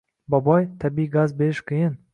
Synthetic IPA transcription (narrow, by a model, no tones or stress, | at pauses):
bɒbɒjt̪ʰabiɡazbe̞ɾɪʃkʲʰijɪn